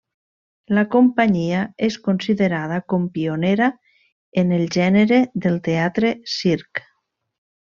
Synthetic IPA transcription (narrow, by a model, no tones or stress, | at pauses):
lakompaɲiaeskonsiðeɾað̞akompioneɾa | enelˠʒɛneɾeðelˠt̪eat̪ɾesiɾk